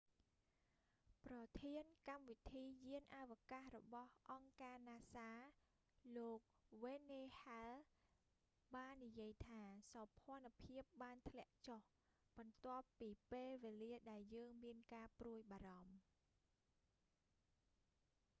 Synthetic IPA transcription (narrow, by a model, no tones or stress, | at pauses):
prɑt̪ʰiənkamʋit̪ʰiːjiənʔaʋkahrɔɓɑhʔɑŋkaːnaːsaː | loːk̚ʋeːneːhal | ɓaːnːijiəjt̪ʰaːsɑpʰŏənpʰiəp̚ɓaːnt̪ʰlɛ̆əʔt͡ɕoh | ɓɑnt̪ŏəpːiːpeːlʋeːliəɗaɛljəːŋmiənkaːpruəjɓaːɾɑm